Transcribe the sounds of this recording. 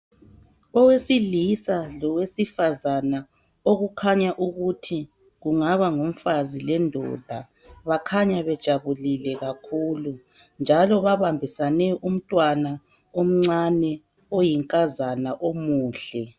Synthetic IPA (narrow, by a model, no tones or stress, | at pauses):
ɔwesilisalɔwesifazana | oɣukʰaɲaʔuɣutʰi | ɣuŋaβaŋom̩fazilɛndʱɔ̰d̥ʱa | βakʰaɲaβɛd̥ʒ̥ʱaβulilɛɣakʰuːlu | nd͡ʒʱalɔβaβambʱisanɛʔum̩tʼwana | om̩ŋ͡ǀanɛ | ojiŋkʼazanaʔomuːɬɛ